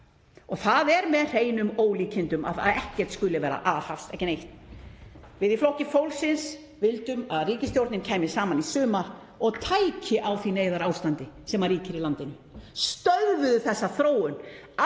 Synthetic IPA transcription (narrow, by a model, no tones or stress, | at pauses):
ɔɣθaðɛɾmɛðr̥eːjnʏmoːwliːcʰɪnt̪ʏma̰a̰ðɛhcɛr̥t̪skʏlɪvɛːɾa̰ʔaðhafst̪ɛhcɪnejht̪n | vɪðiflɔhcɪfowlsɪns | vɪlt̪ʏmaðriːcɪst̪jowɾt̪nɪncʰaːjmɪsaːmanisʏːma | ɔɣt̪ʰaːjcɪʔawθineːjðaɾaːwst̪ant̪ɪsɛmaɾriːcɪɾilant̪ɪnːʏ | st̪œðvʏðʏθɛsːaθɾoːwʏn | a